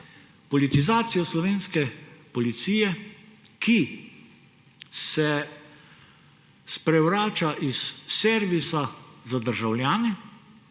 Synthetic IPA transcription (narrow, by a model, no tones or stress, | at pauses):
pɔlit̪izaːt̪sijɔslɔʋeːnskɛpɔlit̪siːjɛki | sɛ | spɾɛwɾaːt͡ʃaʔisːɛɾʋisazad̪əɾʒawljaːnɛ